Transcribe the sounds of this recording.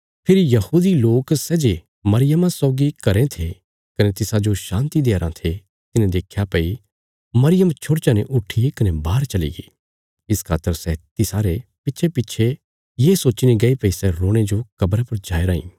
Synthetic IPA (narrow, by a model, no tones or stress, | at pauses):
pʰɪɾjɐhuːd̪iloːksɛːd͡ʒe | mɐɾɪjəmãsɔːɡikɐɾẽt̪ʰe | kɐnet̪ɪsãd͡ʒoʃãːnt̪id̪eaɾãt̪ʰe | t̪ɪnẽd̪eːkʰjapɐi | mɐɾɪjəmt͡ʃʰʊɽt͡ʃãneʔʊʈʰikɐnebaːɾt͡ʃɐlḭɡḭː | ɪskʰaːt̪ːəɾsɛt̪ɪsaːɾepɪtːʃʰepɪtːʃʰe | jeːsoːt͡ʃniɡɐipɐisɛɾoːɽ̃ed͡ʒokɐbɾapɐɾd͡ʒaːeɾaːḭ̃ː